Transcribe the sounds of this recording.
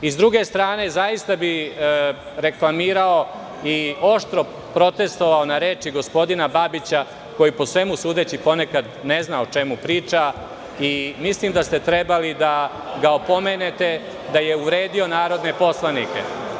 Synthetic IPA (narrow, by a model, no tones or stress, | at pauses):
izd̪ɾuɡe̞st̪ɾaːne̞zajist̪abi | ɾe̞klˠamiːɾao̞ | io̞ʃt̪ɾo̞ | pɾo̞t̪e̞st̪o̞ʋaonaɾeːt͡ʃiɡo̞spo̞d̪inababit͡ɕa | ko̞jipo̞sʋe̞musuːd̪e̞t͡ɕipo̞ne̞kad̪ne̞znaot͡ʃe̞mupɾiːt͡ʃa | imislimd̪ast̪et̪ɾebalid̪a | ɡaopo̞mene̞t̪e̞ | d̪aje̞uʋɾe̞ːd̪io̞naːɾo̞d̪ne̞po̞slˠanike̞̰